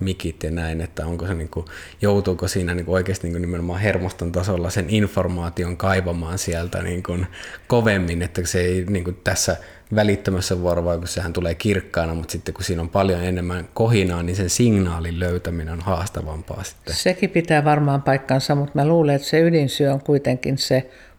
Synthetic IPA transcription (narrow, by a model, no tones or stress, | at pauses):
mikit̪jɑnæinet̪ːæoŋkoseniːŋku | jout̪uːkosiːnæniːŋkuoˑikeːst̪iniːŋkunnimenomɑːhermost̪ont̪ɑsolːɑseninformɑːt̪ioŋkɑiʋɑmɑːnsiælt̪æ̰nḭːŋkunkoʋemːinet̪ːæseeiniːŋkunt̪æsːæ | ʋælit̪ːømæsːæʋuɑroʋɑikussehænt̪uleːkirkːɑːnɑmut̪sit̪ːekkusiːnompɑljonenemːænkohinɑːninsensiŋnɑːlilløyt̪æmineonhɑːst̪ɑʋɑmpɑ̰ːsi̥t̪ːesekipit̪æːʋɑrmɑːmpɑikːɑnsɑmut̪mæluːleet̪seylinsyøoŋkuit̪eŋkinse